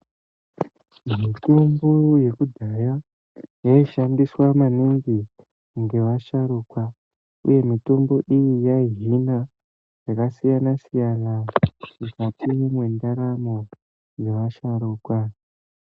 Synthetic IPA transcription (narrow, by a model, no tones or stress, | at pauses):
mito̞mbo̞je̞kudʱaja | jaiʃandiswamaniŋɡi | ŋɡe̞ʋaʃaɾuːkwa | ṵje̞mito̞mbo̞ʔijijaiɦina | jakasijanasijanamukatʰimwe̞ndaɾamo | je̞ʋaʃaɾuːkwa